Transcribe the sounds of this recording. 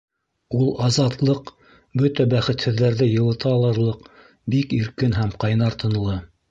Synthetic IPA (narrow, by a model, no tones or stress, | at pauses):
ulˠɑzɑt̪lˠɤq | bɵt̪æbæχɘ̆t̪hɘ̆ðːæɾðɘjɤ̆lˠɤ̆t̪ɑlˠɤ̆ɾlˠɤq | bikiɾkɘnɦæmqɑjnɑɾt̪ɤ̆nɤ̆lˠɤ